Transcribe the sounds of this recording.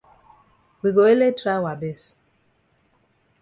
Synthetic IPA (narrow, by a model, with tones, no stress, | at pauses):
wi˨ɡo˨e˦le˦tɾa˦wa˨bɛ˦˨s